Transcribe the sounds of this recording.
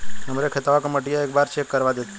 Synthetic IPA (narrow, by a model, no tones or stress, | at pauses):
əmɾekʰet̪aʋakəməʈijaek̚baɾt͡ʃʰekːəɾʋad̪et̪